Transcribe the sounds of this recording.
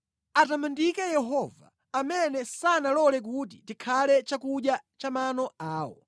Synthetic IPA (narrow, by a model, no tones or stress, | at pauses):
atamandikɛjɛɦɔva̰ːmɛnɛsanalɔlɛk̬ut̬itikʰalɛt͡ʃakuɗjat͡ʃamanɔaːwɔ̰